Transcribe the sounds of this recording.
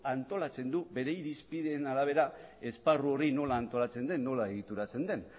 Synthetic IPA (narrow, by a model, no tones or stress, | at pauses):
ant̪o̞lat͡se̞nd̪ube̞ɾe̞jiɾispiðenalaβ̞e̞ɾae̞sparuo̞rino̞laːnt̪o̞lat͡send̪e̞nːo̞lae̞ɣ̞it̪uɾat͡se̞nd̪e̞n